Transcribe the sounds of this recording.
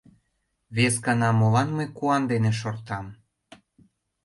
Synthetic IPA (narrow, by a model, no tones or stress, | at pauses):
βeskɑnɑmolɑnmɤjkuɑnd̪eneʃ̬ort̪ɑm